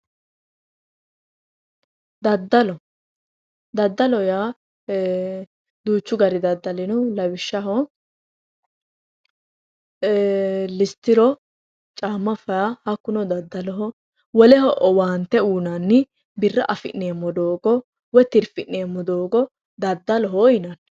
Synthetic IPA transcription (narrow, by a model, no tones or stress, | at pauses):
d̪ɐd̪ːɐlɔ | d̪ɐd̪ːɐlɔjaː | d̪uːt͡ʃːʊɡɐɾɪd̪ɐd̪ːɐlɪnɔlɐwɪʃːɐɦɔ | lɪst̪ːɪɾɔ | t͡ʃʼaːmːɐfɐjahɐkːʊnɔd̪ɐd̪ːɐlɔɦɔ | wɔlɛɦɔʔɔwaːnt̪ːɛuːnanːɪ | bɪrːɐʔɐfɪ̰nːeːmːɔd̪oːɡɔ | wɛt̪ɪɾfɪʔːeːmːɔd̪oːɡɔ | d̪ɐd̪ːɐlɔɦojɪnɐn